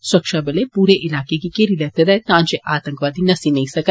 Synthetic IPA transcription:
sɐkʂaːbɐlepuːɾeʔilaːkeɡekeːɾilɐt̪ɐd̪et̪aːɲt͡ʃeʔaːt̪ɐŋkʋaːd̪inɐsinɐjsɐkɐ

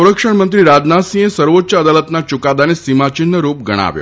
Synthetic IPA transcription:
ɾəkʂəɳmənt̪ɾiɾad͡ʒnasĩesəɾʋotːʃəəd̪alət̪nat͡ʃʊkad̪anesimat͡ʃɪnːəɾup̚ɡəɽ̃a̰ʋjo̰

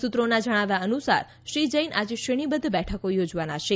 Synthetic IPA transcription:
sut̪ɾonad͡ʒəɽ̃aʋjaənusa̰ɾ | ʃɾid͡ʒəjnʔad͡ʒeʃeɽ̃ibəd̪ʱbɛʈʰəkojod͡ʒʋanaʃe

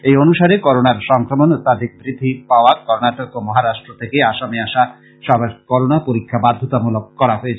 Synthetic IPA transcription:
ejonuʃaɾekɔɾonaɾʃɔŋkɾomont̪ad̪ik̚bɾid̪ʱːipaoakɔɾnaʈokomɔɦaɾaʃʈɾot̪ʰekeaʃameaʃa | ʃɔbaɾkɔɾonapoɾikʰːabad̪ʱːot̪amulokːɔɾaɦoet͡ɕʰ

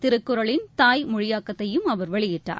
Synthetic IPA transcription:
t̪ɪɾɯkːɯɾɐɭɪnt̪aːjmʊɻɪjaːkːɐt̪ːɐjɯmɐʋɐɾʋɐɭɪjɪʈːa̰ː

